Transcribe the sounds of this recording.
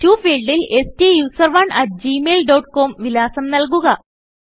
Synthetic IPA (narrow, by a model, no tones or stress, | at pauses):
tuːfiːɭɖile̞stijuːsɐrʋɐɳʔɐʈ̚d͡ʑiːmeːlɖoːʈ̚ko̞ːmʋilaːsɐmnɐlk̬uɣɐ